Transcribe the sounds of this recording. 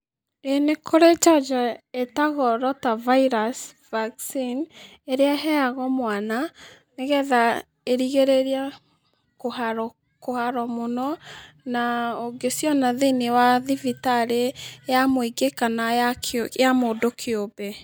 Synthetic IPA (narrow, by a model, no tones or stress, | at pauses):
enekʰoɾet͡ʃad͡ʒaetaɣɔɾɔtavaiɾas | vaksin | eɾeaɦɛaɣɔmwana | neɣɛða | eɾiɣeɾeɾia | kohaɾɔ | kohaɾɔmonɔ | naoŋɡesjɔnaðenewaðivitaɾejamoiɡekanajakjamodokʰeobe